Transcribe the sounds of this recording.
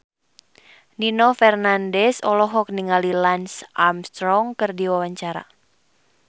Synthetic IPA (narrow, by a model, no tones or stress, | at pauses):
ninɔfɛrnandɛsɔlɔɦɔk̚niŋalilansʔamst̪ɾɔŋkɨrdiwawaɲt͡ʃaɾa̰